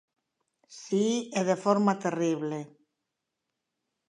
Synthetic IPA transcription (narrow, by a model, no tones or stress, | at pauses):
sieðefoɾmat̪eriβle